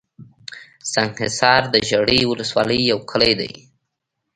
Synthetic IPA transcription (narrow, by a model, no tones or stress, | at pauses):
saŋɡhɪsɑɾd̪əʒaɽiwʊləswɑləjːawkʰəlajd̪a̰j